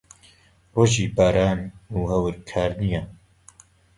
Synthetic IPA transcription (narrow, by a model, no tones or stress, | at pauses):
roːʒiːbaːɾaːnuːhɐwɨɾkʰaːɾnija